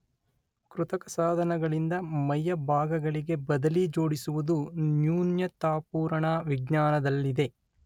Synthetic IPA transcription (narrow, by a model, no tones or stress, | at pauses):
kɾut̪ɐkɐsaːd̪ʱɐnɐɡɐɭind̪ɐmɐjːɐbʱaːɡɐɡɐɭiɡe̞bɐd̪ɐlid͡ʒo̞ːɽisuʋud̪unjuːnjɐt̪aːpuːɾɐɳaʋiɡɲaːnɐd̪ɐlːid̪e̞